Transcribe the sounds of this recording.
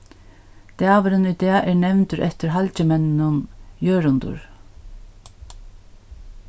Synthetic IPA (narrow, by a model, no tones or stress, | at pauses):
d̪̥ɑːʋəɾənʏd̪eːaʔæːɹnɛʋnt̪ʏɾʔɛt̪əɾɦɑlt͡ɕəmɛnnʊnjøːɾʊnd̪ʊ̰ɹ